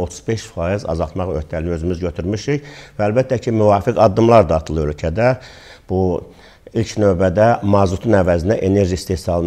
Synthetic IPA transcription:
ot̪ʰuz̥be̞ʃfɑːjizɑ̰zɑlˠt̪mɑχøɾt̪ʰæliniøzymyzɟøt̪ʰyɾmyʃiçvæːlbæt̪ʰːæcʰimyvɑːfikʰɑd̪ːɯmlˠɑɾd̪ɑːt̪ʰɯlˠɯɾølʲcʰæd̪æ | b̥u | ilʲcnø̞ːbæd̪æmɑzut̪ʰunævæzind̪æʔene̞ɾʒiist̪ehsɑlˠɯn

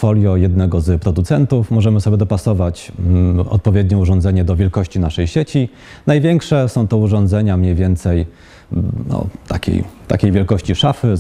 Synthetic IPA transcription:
fɔlʲjɔjɛd̪nɛɡɔzpɾɔd̪ut̪sɛnt̪ufmɔʐɛmɘsɔbʲjɛd̪ɔpasɔvat͡ɕ | ɔ̰t̪̚pɔvʲjed̪ɲɛuʐɔ̃nd̪zɛɲɛd̪ɔvʲjɛlkɔɕt͡ɕinaʂɛjɕet͡ɕi | najvʲjɛŋkʂɛsɔ̃w̃t̪ɔuʐɔ̃nd̪zɛɲamɲejvʲjɛnt̪sɛj | nɔ̰t̪a̰kʲḛjt̪a̰kʲejvʲjɛlkɔɕt͡ɕiʂafɘ

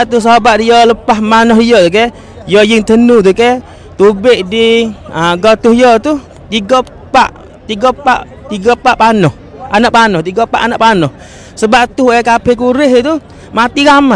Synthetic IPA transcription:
at̪us̬abaʔdijɔləpahmanɔɦijɔt̪uk̬ɛ | jɔjɪŋt̪ənut̪̬ukɛ | t̪ubeʔdiəɡɔt̪uhijɔt̪u | t̪iɡɔ | pa̰ʔ | t̪iɡɔpaʔ | t̪iɡɔpaʔpanɔh | ʔanaʔ̚panɔht̪iɡɔpa̰ʔanaʔpanɔh | səbaʔt̪uhɛkapɛk̬uɾɪɦit̪u | mat̪iɡama

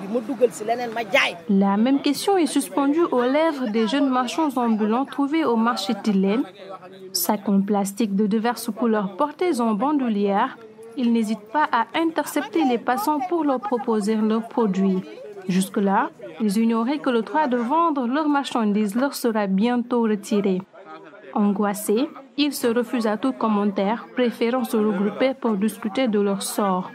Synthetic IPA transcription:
moduɡlselɛnɛnmaɡajlamɛmkʲɛst̪jɔ̃ɛsyspɑ̃d̪yʔolɛvʁəd̪eʒənmaʁʃɑ̃zɑ̃bylɑ̃t̪χuveomaʁʃet̪ile | sakɔ̃plast̪ik̚d̪əd̪ivɛʁsəkulœʁpɔʁt̪ezɑ̃bɑ̃d̪yljɛʁ | ilnezit̪̚paʔaʔɛ̃t̪ɛʁsɛp̚t̪elepasɑ̃puʁləʁpχɔpozelœʁpχɔd̪ɥiʒyskəlailziɲɔʁɛkələd̪ʁwad̪əvɑ̃d̪ʁəlœʁmaʁʃɑ̃d̪iːzlœʁsəʁabjɛ̃t̪oʁət̪ʰiʁe | ɑ̃ɡwaseilsəʁəfyzat̪ukɔmɑ̃t̪ɛʁpχefeʁɑ̃səʁəɡʁupepuʁd̪iskʲyt̪ed̪əlœʁsɔːʁ

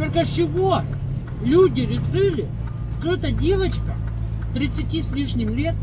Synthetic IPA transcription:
t̪olʲkɐt͡ɕːɪvo | lʲudʲɪɾʲɪʂɨlʲɪ | ʂt̪oɛt̪ədʲe̞vət͡ɕkə | t̪ɾʲɪt̪sɨtʲisʲlʲiʂnʲɪmlʲet̪̚

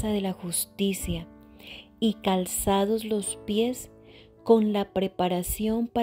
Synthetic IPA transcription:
aðe̞laxust̪isja | ikalsaðo̞zlo̞spje̞s | ko̞nlapɾepaɾasjo̞mpa

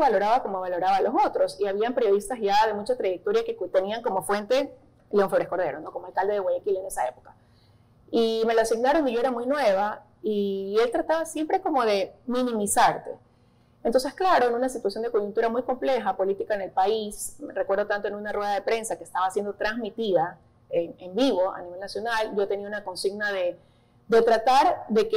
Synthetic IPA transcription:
βalo̞ɾaβako̞moβ̞alo̞ɾaβaloso̞t̪ɾo̞siaβ̞iampeɾjo̞ð̞ist̪asʝaðe̞mut͡ʃat̪ɾajek̚t̪o̞ɾjaket̪eniaŋko̞mo̞fwe̞nt̪e̞ | leũfeβɾesko̞ɾðe̞ɾono̞komoalkald̪eðe̞ɣwaʝekile̞ne̞sae̞po̞ka | ime̞loasiɡnaɾo̞nd̪iʝo̞eɾamujnwe̞β̞a | ie̞lt̪ɾat̪aβasje̞mpɾe̞ko̞mo̞ðe̞mĩnĩmisaɾt̪e̞̰ | ent̪o̞ns̬esklaɾo̞enunasit̪wasjo̞nd̪e̞koʝunt̪uɾamujko̞mple̞xapo̞lit̪ikaene̞lpaismerekweɾð̞o̞t̪ant̪oe̞nunarweðaðe̞pɾe̞nsakeːst̪aβasje̞nd̪o̞t̪ɾanzmit̪iða | eŋembiβ̞o̞a̰niβe̞lnasjo̞nalɟ͡ʝot̪e̞niaunako̞nsiɡnaðe̞ | d̪e̞t̪ɾat̪aɾðe̞ke

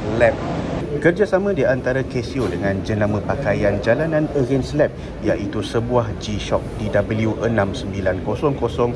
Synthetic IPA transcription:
lɛp̚kərd͡ʒasamãdiant̪aɾakɛsiodəŋãnd͡ʒənamə̃pakajand͡ʒalanãnəɡɛnslɛp̚ | jaʔit̪usəbuahd͡ʒiʃɔk̚didabəljuʔənãmsəmbilankosɔŋkosɔŋ

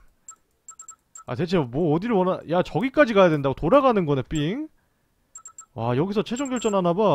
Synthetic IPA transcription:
a̰te̞t͡ɕʰemwʌːdiɾɯɭwʌnajat͡ɕʌɡik͈ad͡ʑiɡaɦjadwendaɡotoɾaɡanɯnɡʌnep͈iŋ | ajʌɡisʰʌt͡ɕʰe̞d͡ʑoŋɡjʌɭt͡ɕ͈ʌnanaba

